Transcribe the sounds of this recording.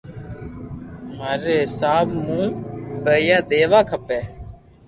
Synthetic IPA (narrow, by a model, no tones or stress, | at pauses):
maːɾeːɦsaːbmũːbəːjaːd̪eːʋaːkʰəpɛː